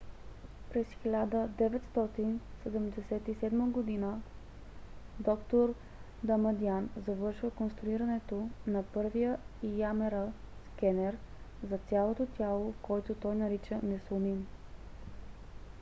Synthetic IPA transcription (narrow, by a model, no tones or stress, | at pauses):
pɾɛsxilʲad̪əd̪ɛvɛt̪st̪ɔt̪insɛd̪ɛmd̪ɛsɛt̪isɛd̪məɡod̪inə | d̪ɔkt̪oɾ | d̪ɐmɐd̪ianzɐvɤɾʃvəkonst̪ɾʊiɾɐnɛt̪onɐpɤɾvijəijamɛɾəskɛnɛɾ | zɐt̪sʲalˠot̪ot̪ʲalˠokɔjt̪ot̪ɔjnɐɾit͡ʃənɛsonin